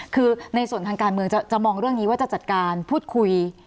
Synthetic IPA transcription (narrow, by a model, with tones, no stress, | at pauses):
kʰɯː˧na˧jsu˨˩ənt̪ʰaː˧ŋkaː˧nmɯ˧əŋt͡ɕa˨˩t͡ɕa˨˩mɔː˧ŋɾɯ˥˩əŋni˦waː˥˩t͡ɕa˨˩t͡ɕa˨˩t̪̚kaː˧npʰuː˥˩t̪̚kʰu˧j